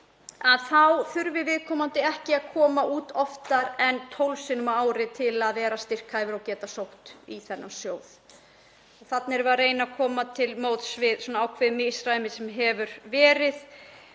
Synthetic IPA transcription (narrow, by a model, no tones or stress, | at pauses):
aðθawθʏɾvɪvɪðkʰɔːmant̪ɪɛhcɪaðkʰɔːmaʔuːt̪ɔft̪aɾɛnt̪ʰowlsɪnʏmaːwɾɪt̪ʰɪlaðvɛːɾast̪ɪr̥kʰajvʏɾawcɛːt̪asowht̪iθɛnːasjoːwð | ɔθat̪nɪɾvareːjnakʰɔːmat̪ʰɪlmoːwt̪svɪðsɔːnaawkʰvɛːðmɪsɾaːjmɪsɛmɦɛvʏɾvɛːɾɪð